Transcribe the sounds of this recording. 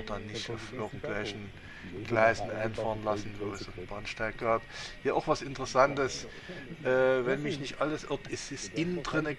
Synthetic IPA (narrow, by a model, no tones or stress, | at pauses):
d̥anːɪçtfɪɐɡɡŋ̩tv̥ɛlçn̩ | ɡ̥laɪzn̩ʔa̰ɪnfaːʁənlasn̩voson̩b̥ʁanʃtaɪk̚ɡ̥aːphiːɐaʊxv̥asɪntəʁəsantəs | ʔɛːvɛnmɪçnɪçtʔaləsʔɪɐp̚tɪsɪsʔɪndʁɪnə